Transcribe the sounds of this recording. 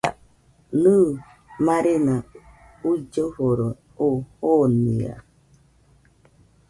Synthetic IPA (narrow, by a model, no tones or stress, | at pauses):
a | nɨ̃ː | mãɾenã | uid͡ʒohoɾo | ohonia̰